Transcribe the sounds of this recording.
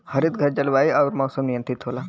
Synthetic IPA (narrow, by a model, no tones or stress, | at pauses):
həɾit̪ɡʱɐɾd͡ʒɐlʋaːiaʋɾmɔːsəmnijənt̪it̪ɦoːla